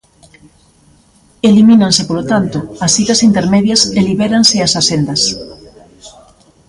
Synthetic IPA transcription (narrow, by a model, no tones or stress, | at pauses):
eliminansepolot̪ant̪oɐsit̪ɐsint̪eɾmeðjɐseliβɛɾaŋseasasend̪ɐs